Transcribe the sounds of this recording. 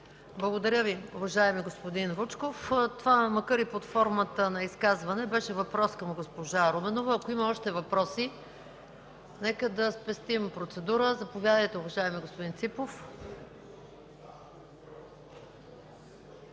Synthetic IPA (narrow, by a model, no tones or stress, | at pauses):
blˠɐɡod̪ɐɾʲəviʊvɐʒaɛmiɡospod̪inɾut͡ʃkoft̪ovamɐkaɾipot̪fɔɾmət̪ənɐiskazvɐnɛbɛʃɛvɐpɾɔskɐmɡospoʒaɾomɛnovəːkoimɐɔʃt̪ɛvɐpɾɔsi | nɛkəd̪ɐspɛst̪impɾot̪sɛd̪uɾəzɐpovʲjad̪əjt̪ɛuvɐʒaɛmiɡospod̪int̪sipof